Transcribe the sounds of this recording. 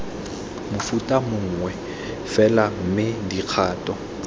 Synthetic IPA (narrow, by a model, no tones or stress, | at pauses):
mʊfutʼamʊŋ̩ŋwɛ | fɛlam̩mɪdiq͡χʰaːtʼɔ